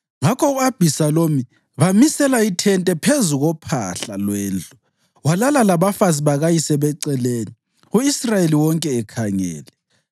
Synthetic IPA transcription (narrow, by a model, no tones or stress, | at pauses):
ŋakʰɔuab̥ʱisaloːmi | βamisɛlaitʰɛntʼɛpʰezuɣɔpʰa̰ɬalwɛːnd͡ɮʼu | walalalaβafaziβaɣajisɛβɛǀɛleːni | uisrajeliwɔŋkʼɛːkʰaŋɛ̰ːlɛ